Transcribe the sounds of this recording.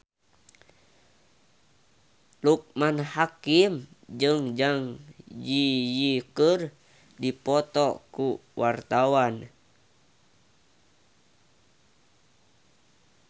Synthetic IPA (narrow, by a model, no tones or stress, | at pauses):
luk̚manhakimd͡ʒɨŋd͡ʒaŋd͡ʒijikər | dipɔt̪ɔkuwʔart̪awan